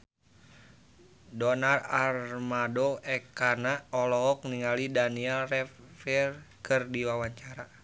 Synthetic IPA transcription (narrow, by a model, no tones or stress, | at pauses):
dɔnararmadoʔɛkanaɔlɔɦɔk̚niŋalidaniɛlrɛfirkʰɨrdiwawaɲt͡ʃaɾa